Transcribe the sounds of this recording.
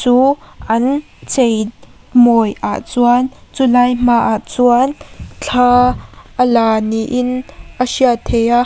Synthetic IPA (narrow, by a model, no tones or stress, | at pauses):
t͡suːʔɐn | t͡sej | mɔjʔa̰ʔt͡suənt͡sulajm̥aːʔaʔt͡suant͡ɬʰaːʔəlaːniʔɪnʔəsiat̪ʰɛjaʔ